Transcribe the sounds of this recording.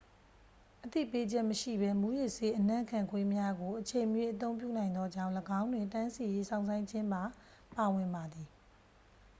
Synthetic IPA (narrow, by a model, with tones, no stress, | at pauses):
ʔət̪ḭ˦˨pe˦d͡ʑɛ˦ʔməʃḭ˦˨bɛ˦mu˦jɪ˦ʔse˦ʔənã̰˦˨kʰã˨ŋkʰwe˦mja˦ɡo˨ʔət͡ɕʰẽ˨mjwe˦ʔət̪̬õ˦ʊ̃mp̬jṵ˦˨nã˨ɪ̃nd̪ɔ˦d͡ʑã˦˨ʊ̃ləɡã˦ʊ̃ndwɪ̃˨ntã˦nsi˨je˦sʰã˦˨ʊ̃sʰã˦ɪ̃ɲd͡ʑɪ̃˦mba˨ | pa˨wɪ̃˨mba˨d̪i˨